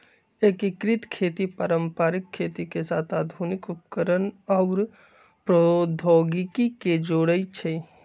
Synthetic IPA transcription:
eːkɪkɾɪt̪kʰːeːt̪ipaːɾəmpaːɾɪkʰːeːt̪ikesaːt̪ʰaːd̪ʱunɪkʊpkəɾənɔːɾ | pɾod̪ʱɔːɡɪkiked͡ʒoːɽəit͡ʃʰeː

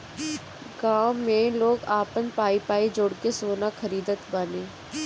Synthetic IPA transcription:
ɡaːmːẽloːɡaːpənpaːipaːid͡ʒoːɽkesoːnaxɐɾiːd̪ət̪baːneː

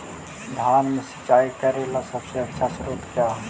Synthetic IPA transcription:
d̪ʱjaːnmẽsə̥t͡ʃːaːikəɾelasəbseɐtːʃʰasɾot̪kja

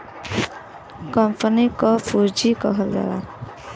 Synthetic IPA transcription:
kʌmpənikɔbuɾd͡ʒikʌ̰ɦʌld̪a̰la̰

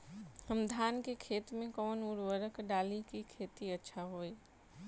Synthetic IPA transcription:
ɦəmd̪ʱaːnkekʰeːt̪mẽkɔːnuɾwəɾəkɖaːlikikʰeːt̪iətːʃʰaɦoːi

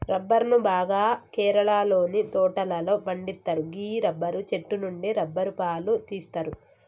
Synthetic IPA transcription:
ɾɐbːɐɾnubaːɡaːkɛːɾɐɭaːlo̞ːnit̪ɔːʈɐlɐlo̞ːbɐɳɖit̪ːɐɾuɡiːɾɐbːɐɾut͡ʃe̞ʈːunuɳɖiɾɐbːɐɾupaːlut̪iːst̪ɐɾu

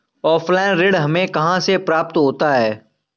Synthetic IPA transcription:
ɔːfʰlaːɪnɾɪɖɦɐmẽkɐɦãsepɾaːp̚t̪ɦoːt̪aɦɛː

